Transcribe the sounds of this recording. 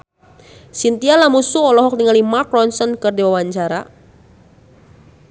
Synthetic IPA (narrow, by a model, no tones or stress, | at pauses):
sint̪ialamusuɔlɔɦɔk̚d̪iŋalimakɾɔnsənkɨrdiwawaɲt͡ʃaɾa̰